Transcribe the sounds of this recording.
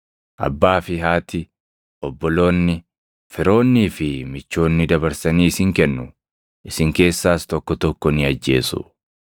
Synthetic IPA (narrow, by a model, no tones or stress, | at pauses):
ʔɐ̰bːaːfɪɦaːt̪ɪ | ɔbːɔlo̞ːnːɪ | fɪɾo̞ːnːiːfɪmɪt͡ʃːo̞ːnːɪd̪ɐbɐɾsɐniːɪsɪŋkɛnːʊ | ʔɪsɪŋke̞ːsːaːst̪ɔkːɔt̪ɔkːɔnɪɐd͡ʒːe̞ːsʊ̰